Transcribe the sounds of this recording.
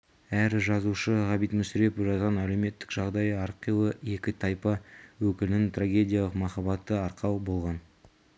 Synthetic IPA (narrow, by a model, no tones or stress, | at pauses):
æɾʒɑzuʃəʁɑbijt̪mʏsɪɾepʒɑt̪ʁɑnæle̞wme̞t̪ːɪ̥kʒɑʁd̪ɑjɑɾqːiwəe̞kʲɪt̪ʰɑjpɑwɵkʲɪlɪnɪŋt̪ʰraɡʲe̞dʲijɑlˠəqmɑχɑbɑt̪ːəɑɾqʰɑwbo̞lˠʁɑn